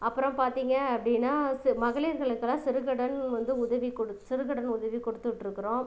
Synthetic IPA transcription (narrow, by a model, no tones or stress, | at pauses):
ɐpːɯɾɐ̃mpaːɾt̪iːŋɡɐːpːɐɽɪnːaːsɪmɐɣɐɭiɾɣɐɭɯkːɐlːãːsɪɾɯɣɐɽɐnʋɐnd̪ɯʊðɐʋikɔɽɯsɪɾɯɣɐɽɐnʊðɐʋikɔɽɯt̪ːɯʈːɪɾɯkːɯɾõː